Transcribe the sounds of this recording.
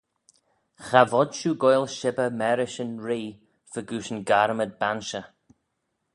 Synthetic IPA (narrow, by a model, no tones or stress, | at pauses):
xavɔdʃuːɡɔjlʃɪbəmɛɾɪʃənɹiː | vəɡuːʃənɡaɾməd̪̚banʃə